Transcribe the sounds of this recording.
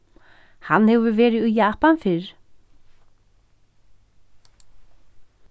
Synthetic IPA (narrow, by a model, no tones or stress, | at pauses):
hanːhɛvʏɾvɛːɾɪðujaːhpanfɪɾ̥